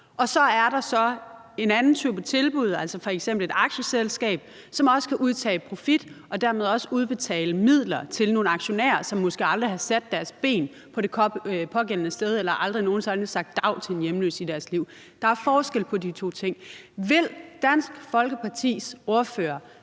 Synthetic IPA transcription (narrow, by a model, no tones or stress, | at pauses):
ʔɒ̽sɒ̽æɐɾɑ̈sɒ̽ | e̝nænn̩t͡sʰy̰ːb̥ɒt͡sʰe̝lb̥uð̞̰ˠæl̰sɒ̽fɒ̽eɡ̥sem̰b̥l̩e̝d̥ɑ̈ɡ̥ɕəselsɡ̥ɛ̰ːb̥̚ | sɒ̽mɒ̽sə̥kʰæʔuð̞ˠt͡sʰɛ̰ːpʰʁo̝fid̥ | ɒ̽d̥æɐme̝ð̞ˠɒ̽səuðˠb̥e̝t͡sʰɛ̰ːləmið̞̰ˠlɐt͡sʰe̝lno̝ːn̩ɑ̈ɡ̥ɕo̝næ̰ːɐsɒ̽mːɒ̽sɡ̥e̝ɑ̈ld̥ʁiɦɑ̈sæd̥ːæɐsb̥e̝̰ːn | pʰɒ̽ɾe̝pʰɒ̽ɡ̥en̰ənəsd̥eð̞ˠelɐʔɑ̈ld̥ʁino̝ːn̩sɑnsɑ̈ɡ̥̚d̥ɑ̈ʊ̰t͡sʰe̝njemlø̰ːsid̥æɐsliʊ̰ | d̥ɑ̈æɐfɒːsɡ̥el̰pʰɒ̽dit͡sʰo̝̰ːt͡sʰe̝ŋ̰ | ʋe̝l̰d̥æn̰sɡ̥fɒ̽lɡ̥əpʰɑ̈t͡sʰḭːso̝ɐføːɐ